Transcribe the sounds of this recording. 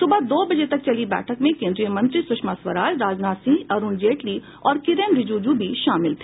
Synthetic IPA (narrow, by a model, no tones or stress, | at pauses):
sʊbad̪oːbɐd͡ʒet̪ɐk̚t͡ʃɐlibɛ̰ːʈʰəkmẽkẽːnd̪ɾijəmɐ̃nt̪ɾisʊʃmasʋəɾaːd͡ʒɾaːd͡ʒnaːsĩɐɾuːnd͡ʒeːʈli | ɔːɾkɪɾenɾɪd͡ʒuːd͡ʒubʱiʃaːmɪlt̪ʰe̥ː